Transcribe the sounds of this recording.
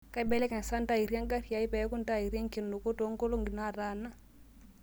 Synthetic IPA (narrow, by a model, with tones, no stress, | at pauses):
ka˦i˦bɛ˦lɛ˦ka˨n˨sa˦n˦ta˦i˨ɾja˦ŋɡa˦ɾi˨ja˨i˦pɛ˨˦ku˦n˦ta˦i˨ɾi˦a˦ŋki˨ndo˨ko˦to˨˦ŋko˦lo˦ŋɡi˨na˦˨ɾa˦na˦